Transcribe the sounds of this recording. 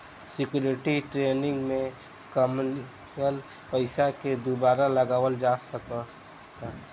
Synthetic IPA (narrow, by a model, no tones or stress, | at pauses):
sɪkjuːɾɪʈiʈɾeːnɪ̃ŋɡmẽ | kəmn | kəl | pəɪsaked̪ubaːɾaləɡaːwəld͡ʒaːsəkə | t̪a